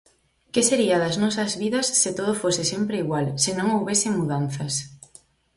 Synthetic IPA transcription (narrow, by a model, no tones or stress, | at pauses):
keseɾiɐðɐznɔsɐzβiðɐsːet̪oð̞ofosɪsempɾeiɣwalsɪnõŋowβesɪmuðanθɐs